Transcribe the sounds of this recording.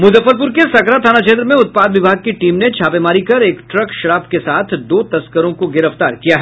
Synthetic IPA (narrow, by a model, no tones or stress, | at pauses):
mʊzəfːəɾp̬ʊɾkesɐkɾat̪ʰaːnat͡ʃẽnd̪ɾmẽʊt̪̚paːd̪ʋɪbʱaːɡ̚kiʈiːmnet͡ʃʰaːpemaːɾikɐɾeːkʈɾɐkʃɐɾaːbkesaːt̪ʰd̪oːt̪ɐskəɾõkoɡɪɾəft̪a̰ːɾkijaɦɛ